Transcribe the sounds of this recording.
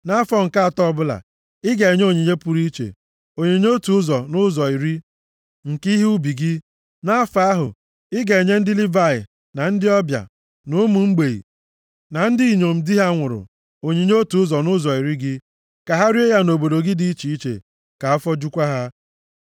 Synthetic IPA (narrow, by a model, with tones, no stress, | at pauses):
na˦fɔ˦ŋ̩˨ka˦a˨tɔ˦ɔ˦bʊ˦la̰˨ | ɪ˦ɡe˨e˨ɲ˦o˦˨ɲe˨ɲe˦pu˨˦ɾi˦t͡ʃḛ˨ | o˨ɲe˨ɲ˦o˦tu˨˦ʊ˦zɔ˨nʊ˦zɔ˨i˨ɾi˦ | ŋ̩˨ki˦ɦi˦u˦bi˨ɡɪ˦ | na˦fa˦a˦ɦʊ̰˨ | ɪ˦ɡe˨e˨ɲe˦n̩˦dɪ˦li˦va˦˨ɪ̰˨ | na˨n̩˦dɪ˦ɔ˦bja̰˨ | nʊ˦mu˨ŋ͡m̩˦ɡ͡be˨ḭ˨ | na˨n̩˦dɪ˦i˨ɲo˨m̩˨di˦ɦa˦ŋʷʊ˨ɾʊ̰˨ | o˨ɲe˨ɲ˦o˦tu˨ʊ˦zɔ˨nʊ˦zɔ˨i˨ɾi˦ɡɪ˦ | ka˨ɦa˦ɾi˦e˦ja˦no˨bo˨do˨ɡɪ˦di˦i˦t͡ʃi˨i˦t͡ʃḛ˨ | ka˨a˦fɔ˦d͡ʒu˦kʷa˦ɦa˦